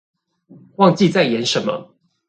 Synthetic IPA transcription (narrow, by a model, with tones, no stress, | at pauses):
wɑ˥˧ŋt͡ɕi˥˨t͡sa˥˨ɪjɛ˨˦nʂə˨˦nmə̰˦